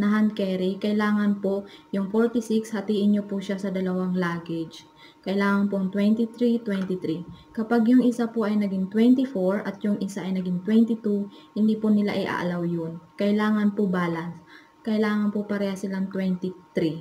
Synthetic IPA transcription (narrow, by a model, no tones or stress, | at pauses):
nɐɦɐnkɛɾikɐʔɪlaːŋɐnpojʊŋfoɹt̪ɪsikshɐt̪iːʔɪnɲopʊʃasɐd̪ɐlɐwaŋlaːɡɛd͡ʒ | kɐʔɪlaːŋɐnpoɐŋt̪wɛnt̪it̪ɾit̪wɛnt̪ɪt̪ɾikɐpaɡjʊŋʔɪsapoʔɐjnɐɡiŋt̪wɛnt̪ɪfoɹɐt̪̚jʊŋʔɪsaʔɐjnɐɡiŋt̪wɛnt̪ɪt̪u | hɪnd̪ipʊnɪla̰ʔɪʔa̰ːʔlɐwjonkɐʔɪlaːŋɐnpobaːlɐns | kɐʔɪlaːŋɐnpopɐɾɛhɐsɪlaŋt̪wɛnt̪ɪt̪ɾi